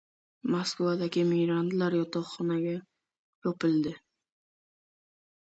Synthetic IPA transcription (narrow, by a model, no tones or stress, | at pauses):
moskvad̪aɡʲɪmɪjɾand̪laɾjɒt̪ʰɑχɒnaɡʲa | jɒpɪld̪ɪ